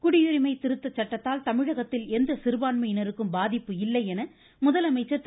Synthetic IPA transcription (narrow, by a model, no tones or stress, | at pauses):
kʊɽɪjɯɾɪmɐɪt̪ɪɾɯt̪ːɐt͡ʃːɐʈːɐt̪ːaːlt̪ɐmɪɻɐɣɐt̪ːɪlɛnd̪ɐsɪɾɯbaːnmɐjɪnɐɾɯkːɯmbaːðɪpːɯɪlːɐɪɛnɐ | mʊðɐlɐmɐɪt͡ʃːɐ